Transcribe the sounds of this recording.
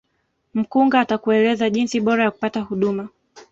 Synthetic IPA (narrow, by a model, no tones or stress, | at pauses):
m̩kuŋɡaːtakuɛlɛzaʄinsiɓɔɾajaku̥patahuɗuma